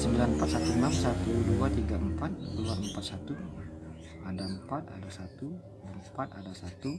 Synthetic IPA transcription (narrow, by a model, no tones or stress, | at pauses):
səmbilanəmpat̪̚sat̪uənamsat̪uduat̪iɡaəmpat̪̚kəluanəmpat̪̚sat̪u | adaəmpat̪̚a̰dasat̪u | adapat̪adasat̪u